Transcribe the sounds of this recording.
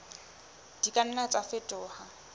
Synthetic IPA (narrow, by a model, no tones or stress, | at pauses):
d̥ikʼan̩nat͡sʼafɪtʼɔːha